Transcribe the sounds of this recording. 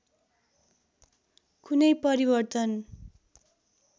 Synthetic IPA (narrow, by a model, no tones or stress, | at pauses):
kunʌjpʌɾibʌrt̪ʌn